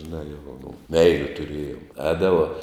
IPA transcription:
ʒʲɪˈnɑː jɛʊ oː mʊm ˈmʲɛɪlʲʊ tʊˈrʲeːjoːm ˈɛːdɐʋoː

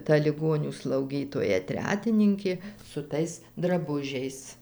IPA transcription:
tɐ lʲɪˈɡoːnʲuː slˠɐʊˈɡʲiːtoːjɛ ˈtʲrʲæːtʲɪnʲɪŋʲkʲeː sʊ ˈtɐɪs drɐˈbʊʒʲɛɪs

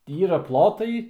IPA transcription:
ˈiːrɐ ˈplˠoːtɐɪ

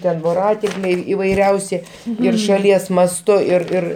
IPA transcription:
ˈtʲɛn ʋoːˈrɑːtʲɪŋklʲɛɪ iːʋɐɪˈrʲɛʊsʲɪ ɪr ʃɐˈlʲiɛs mɐsˈtʊ ɪr ˈɪr

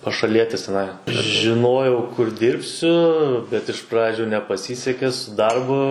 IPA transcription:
pɐʃɐˈlʲiɛtʲɪs tʲɛˈnɐɪ ʒʲɪˈnoːjɛʊ kʊr ˈdʲɪrʲpʲsʲʊ bʲɛt ɪʃ ˈprɑːd͡ʒʲʊ nʲɛpɐˈsʲiːsʲɛkʲɛ sʊ ˈdɐrbʊ

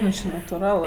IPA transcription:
ˈʋʲiːsks t͡ʃʲɪ nɐtʊˈrɐlˠ

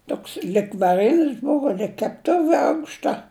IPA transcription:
ˈtoːks lʲɪk ʋɐˈrʲɪnʲɪs ˈbʊʋoː lʲɪk kʲɛpˈtʊʋʲɪ ˈɐʊkʃtɐ

